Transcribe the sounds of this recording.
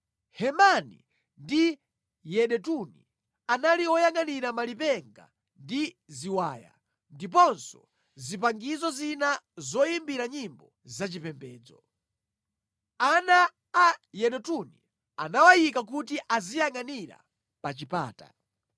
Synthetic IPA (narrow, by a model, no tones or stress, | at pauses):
hɛmanḭ | ndi | jɛɗɛtuni | analiɔjaŋaniɾamalipɛŋɡa̰ | ndi | ziwaːja̰ | ndip̬ɔnsɔ̰ | zipaŋɡizɔzinazɔjimbiɾaɲimbɔ | zat͡ʃipɛmbɛːd͡zɔ | anaː | jɛɗɛtuni | anawajikak̬utiʔazijaŋaniɾa̰ | pat͡ʃipa̰ːta̰